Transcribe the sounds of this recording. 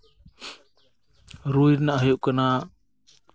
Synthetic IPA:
ɾujɾnaʔɦəjuʔkana

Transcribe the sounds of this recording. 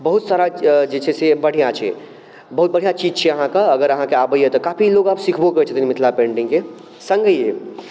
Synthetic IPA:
bəɦut̪saːɾad͡ʒet͡ʃʰɛsebəɽ̤ijat͡ʃʰɛ̰ | bɐɦut̪̚bəɽ̤ijat͡ʃid͡ʒt͡ʃʰɛəɦãkaəɡəɾəɦãkeabəjət̪ɔkaːpʰiloɡaːpsikʰboket͡ʃʰət̪inmɪt̪ʰlapẽːɳɖɪ̃ŋke | sə̃ŋɡəje

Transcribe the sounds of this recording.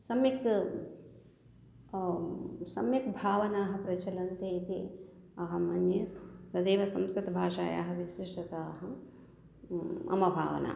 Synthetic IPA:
sɐmjɐk | sɐmjɐkbʱaːʋɐnaːɦɐpɾɐt͡ʃɐlɐnt̪eːit̪i | ɐɦɐmɐnjet̪ɐd̪eːʋɐsɐmskɾɨt̪bʱaːʂaːja̰ːɦɐʋisiʂʈɐt̪aːɦɐ | ɐ̰mɐbʱa̰ːʋɐ̰na̰ː

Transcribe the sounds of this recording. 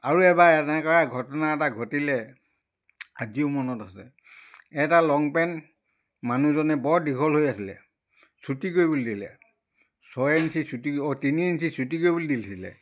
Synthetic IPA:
aɹuɛbaɛtɛkɔɹaɡʱɔtɔnaɛtaɡʱotilɛ | a̰ziʊmɔnɔtasɛ̰ | ɛtalɔŋpɛn | manuzɔnɛbɔɹdikʰɔlɦojasilɛ̰ | sutikoɹjbolidilɛ̰ | sɔjɛnsisutitiniɛnsisutikojbulidilsilɛ̰

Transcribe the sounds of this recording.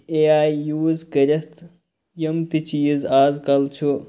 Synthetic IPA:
eaːjːuːzkɐɾʲɐt̪ʰ | jɐmt̪it͡ʃiːzaːzkɐlt͡ʃʰu

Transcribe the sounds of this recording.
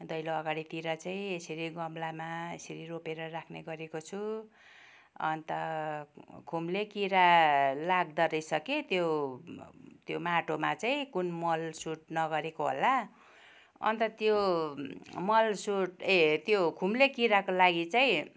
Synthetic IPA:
d̪ʌjloʌɡaɽit̪iɾʌt͡saĩesʌɾiɡʌmlamaḛsʌɾiropeɾʌrakʰneɡʌɾekot͡sʰu | ʌ̰nt̪ʌ | kʰumlekiɾalaɡd̪ʌɾʌjsʌket̪jo | t̪jomaʈomat͡saĩkunmʌlsuʈ̚nʌɡʌɾekoɦo̰la | ʌ̰nt̪ʌt̪jo | mʌlsuʈet̪jokʰumlekiɾakolaɡit͡saĩ

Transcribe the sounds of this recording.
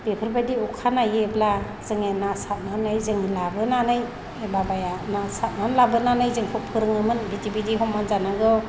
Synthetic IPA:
bepʰɯɾbadiɔkʰanajebla | z̥ɯŋenasat̚manɯjzɯŋlabɯnanɯj | babajanasat̚manlabɯnanɯjzɯŋpʰɔpʰɯɾɯŋɯmɯnbitibidiɦɔmːanzanaɡɯw

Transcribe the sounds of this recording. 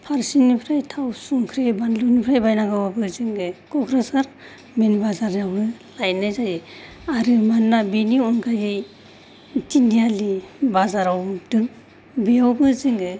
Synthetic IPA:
pʰaɾsinipʰɾajtʰawsuŋkʰɾebandlunipʰɾajbajnaɡawabɯzɯŋɡɯkɔɡɾesaɾ | menibazaɾjawbɯlajnajzaji | aɾɯmanːabeniɔnɡʰajɯj | tindijalibazaɾawdɯŋ | bijawbɯzɯŋɡɯ

